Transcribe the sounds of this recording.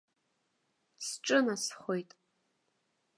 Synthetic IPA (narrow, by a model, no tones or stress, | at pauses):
sʈ͡ʂʼɨnasχʷojtʼ